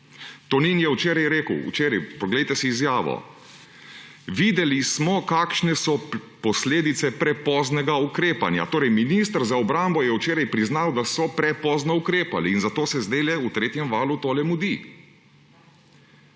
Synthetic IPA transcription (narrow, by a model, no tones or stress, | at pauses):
t̪ɔninjɛwt͡ʃeːɾajɾeːkəwṵt͡ʃeːɾajpɔɡlɛjt̪ɛsiːzjaːʋɔ̰ | ʋiːd̪ɛlismɔkaːkʃnɛsɔpɔsleːd̪it̪sɛpɾɛpɔznɛɡaukɾeːpa̰nja̰t̪oːɾɛjminist̪ɾzaɔbɾaːmbɔjɛwt͡ʃeːɾajpɾiznawd̪asɔpɾɛpɔznɔukɾeːpaliːnzat̪oːsɛzd̪eːlɛut̪ɾeːt̪jɛmʋaːlut̪oːlɛmud̪i